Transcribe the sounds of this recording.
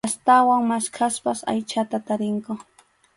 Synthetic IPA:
ast̪awaŋmaskʰaspasa̰jt͡ʃat̪at̪aɾɪŋkʊ

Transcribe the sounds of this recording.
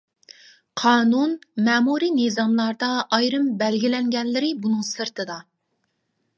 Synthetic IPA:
qʰɑːnunmɛːmuɾinɨzɑmlˠɑɾd̪ɑʔːjɾɨmbɛlɡʲilɛŋɡʲɛnlɪɾɪbunɨŋsɨɾt̪ʰɨd̪ɑ

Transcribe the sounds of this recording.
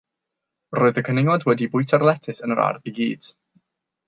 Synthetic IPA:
roːɨðəkʰənɪŋwɔdwɛdibʊjtʰarlˠɛtʰɪsənəɾa̰rviɡḭːd̥

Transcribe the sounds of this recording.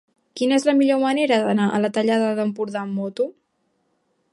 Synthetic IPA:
kinəezləmiʎoməneɾəðənaʔə̰lət̪əʎaðəðəmpuɾðamːɔt̪u

